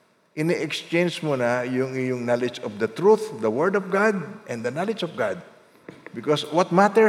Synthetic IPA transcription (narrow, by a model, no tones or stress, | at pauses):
ʔɪniʔɛkst͡ʃẽjnd͡ʒmunajʊŋɪjʊŋnalɛd͡ʒɔfd̪ɐt̪ɾuθd̪ɐwɛɹd̪ɔfɡad̪̚ʔɛ̃nd̪ɐnalɪd͡ʒɔfɡad̪̚ | bɪkoswɐt̪̚mat̪ɛ